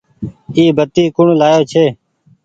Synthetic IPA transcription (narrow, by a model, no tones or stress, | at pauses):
iːbət̪iːkʊɳlaːjoːt͡ʃʰeː